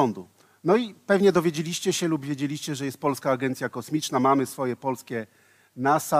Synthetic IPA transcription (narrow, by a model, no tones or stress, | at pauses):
ɔnd̪u | nɔipɛvɲɛd̪ɔvʲjed͡ʑelʲiɕt͡ɕɛɕɛlubvʲjed͡ʑelʲiɕt͡ɕɛʐɛjɛst̪̚pɔlskaːɡɛnt̪sʲjakɔsmʲit͡ʂnamamɘsfɔjɛpɔlskʲɛ | nasa